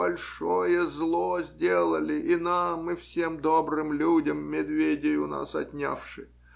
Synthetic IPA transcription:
bɐlʲʂojəzlˠozʲdʲelˠəlʲɪʔinamɨfsʲemd̪obɾɨmlʲudʲəmːʲɪd̪vʲedʲɪjʊna̰sɐtʲnʲa̰fʂɨj

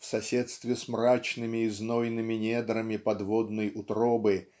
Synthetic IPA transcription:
fsɐsʲet̪st̪vʲɪsmɾat͡ɕnɨmʲɪːznojnɨmʲɪnʲed̪ɾəmʲɪpɐd̪vod̪nəjʊt̪ɾobɨ

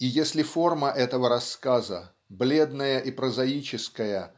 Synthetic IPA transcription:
ijesʲlʲɪfo̞rməʔɛt̪əvəɾɐskazə̰ | blʲe̞d̪nəjəʔipɾəzɐit͡ɕɪskəjə

